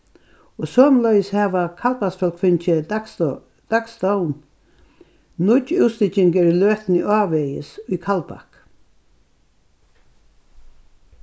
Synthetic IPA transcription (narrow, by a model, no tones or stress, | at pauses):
ɔsɔːmlœjshɛːʋakʰalpasfœlkfɪnt͡ʃɪ | d̪̥akst̪ɔwn | nʊcːɪwst̪ɪcɪŋkəɾiløːht̪niʔɑːvɛjɪsʊjkʰalpa̰hk